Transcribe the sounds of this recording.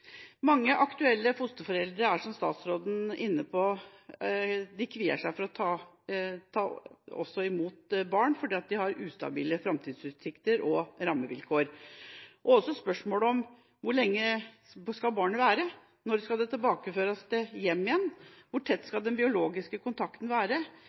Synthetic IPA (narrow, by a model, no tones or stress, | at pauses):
mɑŋːəʔɑkt̪ʉɛlːəfʊst̪əfɔɾɛld̪ɾəɾæʂɔmst̪ɑːt̪sɾoːd̪n̩ɪnːəpʰɔ | d̪ɪkʰʋiːə̰ʂæɪfɔɾɔt̪ʰɑː | t̪ʰɑːɔ̰sːɔɪmuːt̪bɑːɳfɔɖiːɑt̪̚d̪ɪhɑɾʉːst̪ɑ̰bḭːləfɾɑmt̪ʰiːd̪sʉːt̪sɪkt̪əɾʔɔɾɑmːəʋɪ̰lkʰoːɾ | ʔɔɔsːɔspœʂmoːləɔm | ʋʊɭɛŋːə | skɑlbɑːɳəʋæːɾə | nɔɾskɑld̪ɛt̪ʰɪlbɑːkəføːɾɑsd̪ɛjɛmːɪjɛnːʋʊʈʰɛt̪ːskɑld̪ɛnbɪʊloːɡɪskəkʰʊnt̪ʰɑkt̪n̩ʋæːɾə